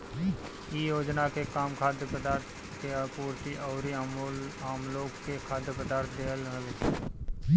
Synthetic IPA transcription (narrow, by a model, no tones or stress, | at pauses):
ijoːd͡ʒnakekaːmkʰaːd̪jəpəd̪aːɾt̪ʰ | kepuːɾt̪iʔɔːɾi | aːmloːkkekʰaːd̪jəpəd̪aːɾt̪ʰd̪eːəlɦəleː